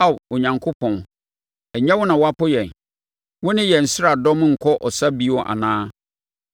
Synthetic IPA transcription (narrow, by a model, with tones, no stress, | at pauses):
a˦˨wɔ˨ɲã˨ŋkʰʊ˦pʰɔ̃˨n | ɛ˨ɲã˦wʊ˦nã˨wa˦pʊ˦jɛ̃˨n | wʊ˦nɪ̃˦jɛ˨n̩˨sɪ˦ɾa˨dɔ̃˦m˦ŋ̩˨kʰɔ˦ʔɔ˨sa˦bi˦wɔ˨ʔa̰˨nãː˦